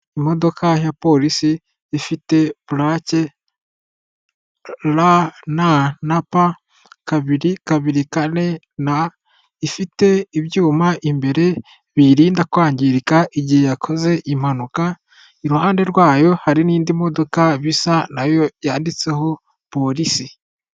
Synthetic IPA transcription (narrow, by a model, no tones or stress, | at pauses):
imo̞do̞kʰajapo̞lisiː | fite̞βulace̞ | lananapa | kaβiɾikaβiɾikane̞ | na | ifite̞iβjuːmaʔimbe̞ɾe̞ | βiɾiːndakwaːɲɟiɾikaʔiɟihe̞jakʰo̞ze̞ʔim̥anuka | iɾuhaːnde̞ɾwaːjo̞haɾiniːndimo̞do̞kaβisanajo̞jaːndit͡se̞ɦo̞ | po̞ɾisi